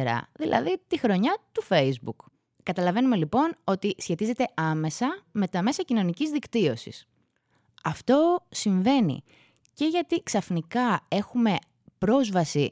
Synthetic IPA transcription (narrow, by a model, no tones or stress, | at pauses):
ɾɐ̰ðilʔɐ̰ðit̪ixɾo̞ɲɐt̪ufe̞jzbukː | ɐt̪ɐlɐve̞nume̞lipo̞no̞t̪isçe̞t̪ize̞t̪e̞ʔɐme̞sɐme̞t̪ɐme̞sɐcino̞nicizðikt̪io̞sḭs | ɐft̪o̞siɱve̞nḭ | ce̞ʝɐt̪iksɐfnikɐe̞xume̞ | pɾo̞zvɐsi